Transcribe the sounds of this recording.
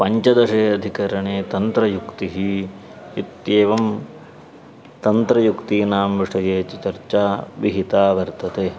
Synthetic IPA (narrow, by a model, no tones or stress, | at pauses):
pɐɲt͡ʃɐd̪ɐʂeːɐd̪ʱikɐɾɐɳeːt̪ɐnt̪ɾɐjukt̪iɦi | it̪jeːʋɐm | t̪ɐnt̪ɾɐjukt̪iːnaːmʋiʂɐjeːt͡ʃit͡ʃɐɾt͡ʃaːʋiɦit̪aːʋɐɾt̪ɐt̪eː